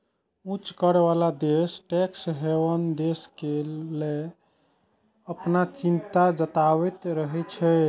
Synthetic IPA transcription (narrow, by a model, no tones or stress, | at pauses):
ut͡ʃkəɾeβalad̪esʈɛksɦeʋənd̪eskele | əpnat͡ʃint̪ad͡ʒət̪aβɛt̪ɾəɦɛt͡ʃʰɛ